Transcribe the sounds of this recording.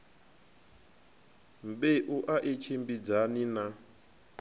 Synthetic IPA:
m̩beʔuʔaʔet͡ʃʰembid͡zanina

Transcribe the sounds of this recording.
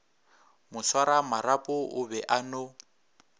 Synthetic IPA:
mʊswaɾamaɾapʼʊʔʊbɛʔano

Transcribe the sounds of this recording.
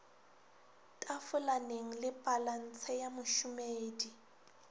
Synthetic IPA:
tʼafʊlaneŋ̩lɪpʼalan̩t͡sʰɛjamʊʃʊmeːdi

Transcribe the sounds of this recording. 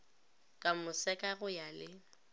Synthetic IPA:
kʼamʊsɛkʼaɣʊjalɪ

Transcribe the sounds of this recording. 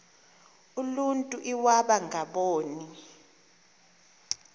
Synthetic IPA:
uluntʼuʔiwaɓaŋʱaɓoːni

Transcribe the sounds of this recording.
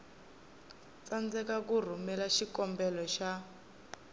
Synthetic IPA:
t͡sand͡zɛkakur̤umɛlaʃikɔmbɛlɔʃa

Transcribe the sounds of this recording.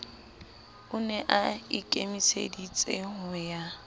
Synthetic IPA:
ʊnɛʔaikʼemisḛdit͡sʼeɦʊja

